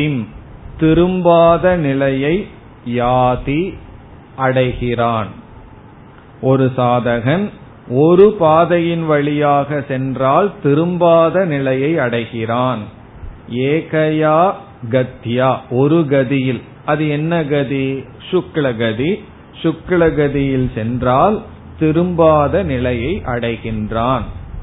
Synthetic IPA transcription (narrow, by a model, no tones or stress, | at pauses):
ɪmt̪ɪɾɯmbaːðɐnɪlɐjɐɪ | jaːði | ʔɐɽɐɪɣɪraːn | ʔɔɾɯsaːðɐɣɐn | ɔɾɯpaːðɐjɪnʋɐɭɪjaːɣɐsɛndraːlt̪ɪɾɯmbaːðɐnɪlɐjɐɪɐɽɐɪɣɪraːn | eːkɐjaː | ɡɐt̪ːjaːɔɾɯɡɐðɪjɪl | ɐðɯɛnːɐɡɐði | ʂʊkɭɐɡɐði | ʂʊkːɭɐɡɐðɪjɪlsɛndraːl | t̪ɪɾɯmbaːðɐnɪlɐjɐɪʔɐɽɐɪɣɪndraːn